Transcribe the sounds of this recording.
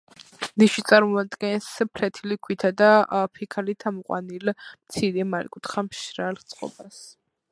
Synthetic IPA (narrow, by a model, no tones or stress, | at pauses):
niʃit̪sʼaɾmɔad̪ɡɛnspʰlɛt̪ʰilikʰwit̪ʰad̪apʰikʰalit̪ʰamɔqʼwa̰nilmt̪sʰiɾɛmalḭkʼut̪χamʃɾalt̪sʼqʼɔ̰bas